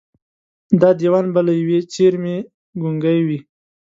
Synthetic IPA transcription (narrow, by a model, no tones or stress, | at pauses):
d̪ɑd̪iwɑnbalajawet͡ʃeɾme | ɡuŋɡajwi